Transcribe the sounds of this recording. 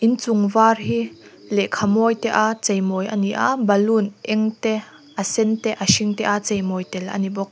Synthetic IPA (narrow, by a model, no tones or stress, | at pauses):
ʔint͡sʊŋvaːrɦi | lɛʔkʰamɔːjt̪ɛʔat͡sejmɔjɐ̰niʔabɐlunʔɛŋt̪ɛ | ʔɐsɛnt̪ɛʔaʃiŋt̪ɛʔat͡sejmɔːjt̪ɛlʔɐ̰nibɔk̚